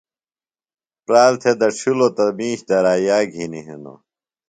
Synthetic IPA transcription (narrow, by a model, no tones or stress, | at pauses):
pɾaːlt̪ʰed̪ɐt͡ɕʰulot̪ɐmiːɕd̪ɐɾaːjaːɡʱiniɦeno̰